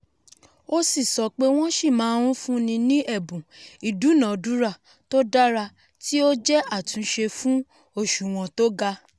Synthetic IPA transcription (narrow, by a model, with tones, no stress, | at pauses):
o˦si˦˨sɔ˨˦k͡pe˦w̃ɔ̃˦ʃi˦˨mãː˨˦ɾũ˦fũ˦nĩ˧nĩ˦ʔɛ˦˨bũ˨i˨du˨˦nã˨du˨˦ɾa˦˨ | to˦da˦ɾa˧ | ti˦o˦d͡ʒɛ˦a˦˨tũ˨˧˦ʃe˧fũ˦ | o˦˨ʃu˨w̃ɔ̃˨to˦ɡa˧